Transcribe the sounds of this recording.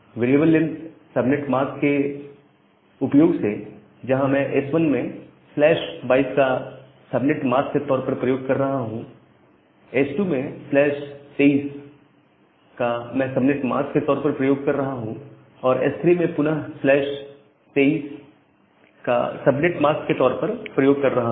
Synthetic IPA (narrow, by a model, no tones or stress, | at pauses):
ʋeːɾieːbəlːɪnsɐbnɪʈmaːske | ʊpjoːɡse | d͡ʒɐɦãmɛ̃ʔesʋənmẽ | flɛːʃbaːɪiska | sɐbnɪʈmaːsket̪ɔːɾpɐɾpɾɐjoːɡ̚kɐɾːɐɦaɦũ | esʈuːmẽflɛːʃt̪eiːs | kamɛ̃sɐbnɪʈma̰ːsket̪ɔːɾpɐɾpɾɐjoːɡ̚kɐɾːɐɦaɦũ | ɔːɾḛst̪ʰɾimẽpʊnəɦflɛːʃ | t̪eːiːs | ka̰sɐbnɪʈmaːskket̪ɔːɾpɐɾpɾɐjoːɡ̚kɐɾːɐɦa